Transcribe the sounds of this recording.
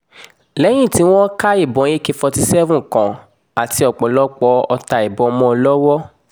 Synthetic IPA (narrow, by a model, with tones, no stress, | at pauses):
lɛ˨˦j̃ĩ˦˨ti˨˦w̃ɔ̃˦ka˦i˦˨bɔ̃˨˦je˦ke˧fɔ˧ti˧sɛ˦vũ˦˨kã˨ | a˨ti˧˦ɔ˨k͡pɔ˨lɔ˦k͡pɔ˧ɔ˧ta˧i˨bɔ̃˨ɔ˧mɔ̃˧lɔ˦wɔ˦